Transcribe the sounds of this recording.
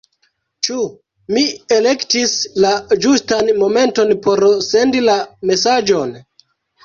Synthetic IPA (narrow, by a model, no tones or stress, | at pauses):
t͡ʃu | mie̞le̞ktislad͡ʒustanmo̞me̞nto̞npo̞ɾse̞ndilame̞sad͡ʒo̞n